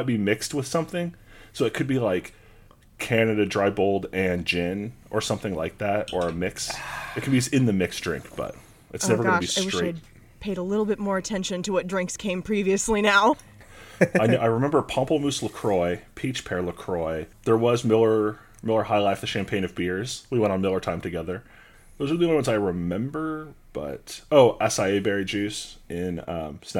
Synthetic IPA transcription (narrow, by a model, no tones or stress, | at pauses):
t̚b̥imɪkst̚wɨð̥sʌ̃mθɪ̃ŋsoʊɨt̚kʰɨd̚bilaɪkʰ | ænɨɾɨdɹaɪboʊlˠdɨ̃nd͡ʒɪ̃nʔə˞sʌ̃mθɪ̃ŋla̰ɪk̚ðæt̚ə˞ɨmɪksɨt̚kʰɨd̚bisɨ̃nðɨmɪksd̥ɹ̥ɪ̰̃ŋkb̥ʌ̰t̚ | ʔɨtsnɛvə˞ɡnɨbistɹ̥eɪt̚ | pʰeɪɾəlɪɾl̩ˠbɪt̚mɔɹɨtʰɛ̃nʃɨ̃ntʰəwʌt̚dɹɪ̃ŋkskʰẽɪ̃mpʰɹ̥iviɨslinaʊ | aɪnaɪɹɨmɛ̃mbə˞pʰɑ̃mpl̩ˠmʉsləkʰɹ̥ɔɪpʰit͡ʃpʰɛɹləkʰɹ̥ɔɪðə˞wʌzmɪlˠə˞ | mɪlˠə˞haɪlaɪfðɨʃæ̃mpʰẽɪ̃nʌvbɪɹz̥wiwɛ̃ɾ̃n̩mɪlˠə˞tʰãɪ̃mtʰɨɡɛðə˞ | ðəʊzɪlˠiwʌ̃wʌ̃nzaɪɹɨmɛ̃mbə˞b̥ʌ̰toʊʔɛsaɪeɪbɛɹid͡ʒʉsʔɪ̃nʌ̰̃msn